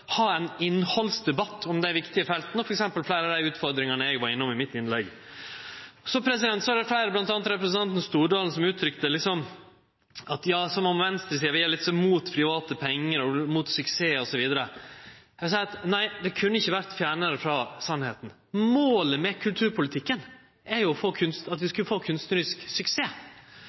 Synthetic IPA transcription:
hɑːɛnɪnːhɔlsd̪ɛbɑt̪ːɔmd̪ɛæɾʋɪkt̪ɪəfɛlt̪ənɔfɔɾɛksɛmpəlflæɪɾɑd̪æɪʉːt̪fɔɾd̪ɾɪŋɑnəɛɡʋɑɾɪnːʊmɪmɪt̪ɪnlɛɡ | ɔsɔpʰɾɛsɪd̪ɛnt̪sɔɑɾɖ̪ɛflæɪɾəblɑnt̪ɑːnət̪ɾɛpɾɛsənɑnt̪ənɔst̪uːɖɑːln̩sɔmʉːt̪ʰɾʏkt̪əlɪksɔm | ɑt̪jɑːsɔmɔmʋɛnst̪ɾəsiːəʋɪjælɪt̪sɔmmuːt̪pʰɾɪʋɑːt̪əpʰɛŋːəɾɔmuːt̪sʏkseːɔsɔʋiːd̪əɾə | ɛʋsæɪɑt̪næɪd̪ɛkʰʉnːəɪçːəʋæɾt̪fjæːɳəɾəfɾɑsɑnheːt̪n̩ | moːləmɛkʰʉlt̪ʰʉːɾpʊlɪt̪ʰɪkːən | ʔæɾjʊɔfoːkʰʉnst̪ɑt̪ʋɪskʉləfoːkʰʉnst̪ʉɾɪsksʏkseː

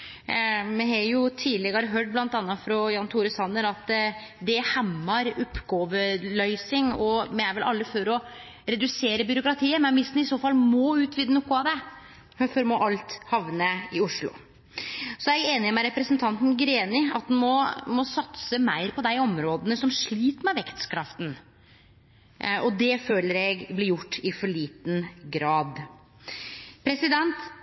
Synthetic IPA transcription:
mɛɦɛjʊt̪ʰiːlɛɡəɑɾɦøːʈ̚blɑnt̪ɑnːɑt̪fɾɔjɑnt̪ʰuːɾəsɑnːəɾɑt̪ | d̪ɛhæmːɑɾʊpːɡoːʋəlœʏsɪŋɔmɛæɾʋɛlʔɑ̰lːəfɔɾɔ | ɾɛd̪ʉseːɾəbʏɾʊkɾɑt̪ʰiːəmɛnʋɪst̪n̩ɪsoːfɑlːmɔʉːt̪ʰʋiːd̪ənɔkːʊɑd̪ɛ | fɔɾmɔʔɑlt̪hɑʋnəɪʊʂlʊ̰ | sɔæɛeːnɪɔmɛɾɛpɾəsnt̪ʰɑnt̪n̩ɡɾeːnɪɑ̰t̪̚hʉnmɔmɔsɑt̪səmæɪɾpʰɔd̪æɪɔmɾoːd̪ənəsɔmʂɭiːt̪mɛʋɛkt̪kʰɾɑft̪n̩ | ʔɔd̪ɛføːləɾɛɡblɪɾjʊʈːɪfɔɭiːt̪nɡɾɑːd̪ | pʰɾɛsɪd̪ɛnt̪

